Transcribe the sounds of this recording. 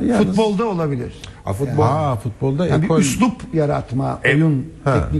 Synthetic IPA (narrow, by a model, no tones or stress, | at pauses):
jfut̪bo̞lˠd̪aolˠabilʲḭɾ̥a̰fut̪̚bafut̪̚bolˠd̪abiyslupjaɾa̰t̪maejunɛkni